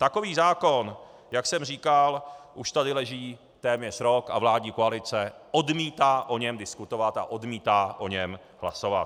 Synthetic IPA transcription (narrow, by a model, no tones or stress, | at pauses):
t̪ako̞viːzaːko̞n | jaksɛmriːkalʔuʃt̪adɪlɛʒiː | t̪ɛːmɲɛr̥ɾo̞ka̰vlaːdɲiːkoalɪt͡sɛʔo̞dmiːt̪aːʔo̞ɲɛmdɪskut̪ovat̪a̰ʔo̞dmiːt̪aːʔo̞ɲɛm | hla̰so̞va̰t̪